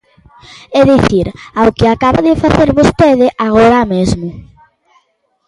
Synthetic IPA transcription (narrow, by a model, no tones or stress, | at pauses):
ɛðiθiɾawkɪakaβaðɪfaθeɾβost̪eðɪʔaɣ̞oɾamezmʊ